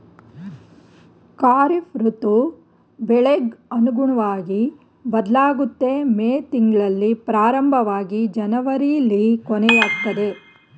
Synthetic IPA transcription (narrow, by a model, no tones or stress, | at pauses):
kaːɾifɾut̪u | bɛɭeɡɐnuɡuɳɐʋaːɡi | bɐd̪laːɡut̪ːe̞meːt̪iŋɡɭɐlːipɾaːɾɐmbʱɐʋaːɡid͡ʒɐnɐʋɐɾilːikɔnɛjaːk̚t̪ːɐd̪e̞